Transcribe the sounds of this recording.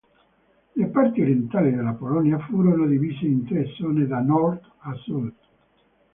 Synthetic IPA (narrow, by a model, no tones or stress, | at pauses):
lepart̪iɾjent̪aːlid̪elːapolɔnjafuːɾonod̪iviːseint̪ɾesːɔːned̪anɔrd̪ | asud̪